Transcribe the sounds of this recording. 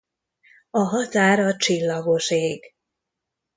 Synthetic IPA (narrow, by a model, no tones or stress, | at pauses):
ɒɦɒt̪aːɾɒt͡ʃilːɒɡo̞ʃeːɡ